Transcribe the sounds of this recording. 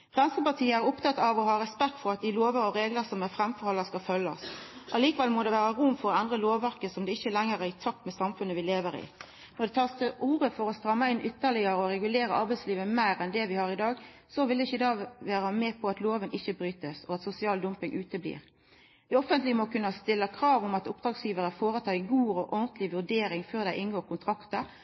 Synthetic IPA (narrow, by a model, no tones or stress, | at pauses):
fʁɛnsəpɑt̪ʰiːəæɾʊpt̪ɑt̪ːɑʋɔhɑːɾɛspɛkt̪fɔɾɑt̪̚d̪ɪloːʋəɾɔɾeːɡləsɔmɛfʁɛmfɔʁhɔlːəskɑfœlːə̰sʔɑliːkəʋɛlmɔd̪ɛʋæːʁəʁʊmːfɔɾɔɛnd̪ʁəloːʋːæʁkəsɔmd̪ɛɪçːəlɛŋəɾæʁɪt̪ʰɑpːmɛsɑmfʉnəʋɪleːʋəɾɪ̰ | nɔd̪ɛt̪ʰɑːst̪ʰɪʔuːʁəfɔɾɔst̪ɾʁɑmːɑɪnʔʏt̪ːəʁlɪəɾəɔɾɛɡʉleːɾəʔɑɾbæɪsliːʋəmæɪɾɛnd̪ɛʋɪhɑɾɪd̪ɑːɡsɔʋɪlɛɪçəɪd̪ɑːʋæːɾɑmɛːpʰɔɑt̪loːʋənɪçːəbɾyːt̪əsɔɑt̪sʊsɪɑːld̪ʊmpɪŋʔʉːt̪əblḭːʁ | d̪ɪɔfənt̪lɪəmɔkʰʉnːɑst̪ɪlːəkʰɾɑːʋɔmɑt̪ʊp̚d̪ɾɑːɡsjiːʋəɾəfoːʁət̪ʰɑːɪɡuːɔʔɔnt̪lɪʋʉʁd̪eːɾɪŋføːʁd̪æɪʔɪnɡoːʁkʰʊnt̪ʰɾɑkt̪əɾ